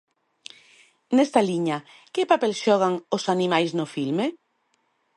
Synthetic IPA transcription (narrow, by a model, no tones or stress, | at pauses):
nɛst̪aliɲa | kɪpapelsʃɔɣ̞aŋosanimajsnʊfilme